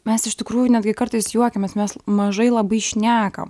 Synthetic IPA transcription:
mʲɛsɪʃt̪ʲɪkɾuːjʊnʲæːd̪ʲɡʲɪkɐɾt̪ɐɪsjuɔkʲɛmʲɛsmʲɛsmɐʒɐɪlˠɐbɐɪʃʲnʲæːkɐ̰m

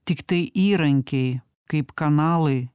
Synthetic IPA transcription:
t̪ʲɪkt̪ɐɪʔiːɾɐŋʲkʲej | kɐɪpkɐnɑːlˠɐj

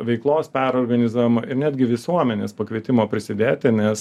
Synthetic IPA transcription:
ʋʲɛɪklˠoːspʲæɾoːrɡɐnʲɪzuːʋʲɪmɐʔɪɾnʲæːd̪ʲɡʲɪʋʲɪsuɔmʲɛnʲeːspɐkʋʲiɛt̪ʲɪmoːpʲɾʲɪsʲɪd̪ʲeːt̪ʲɪnʲɛs

